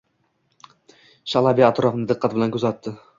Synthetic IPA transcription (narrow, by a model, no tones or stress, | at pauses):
ʃalˠabiat̪ɾɒfɪnɪd̪ɨqːɑt̪̚bɪlankʰɵzat̪ːɪ